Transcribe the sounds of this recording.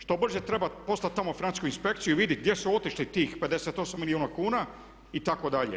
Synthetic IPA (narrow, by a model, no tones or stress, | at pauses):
ʃt̪o̞br̩ʒet̪ɾe̞bapo̞sat̪̚ʲt̪amofinant̪i̥skuinspe̞kt̪sijuiʋid̪iɡ̚d̪jesuo̞t̪iʃlit̪iːxpe̞d̪e̞set̪o̞samiliuːnakuːna | it̪akod̪aʎḛ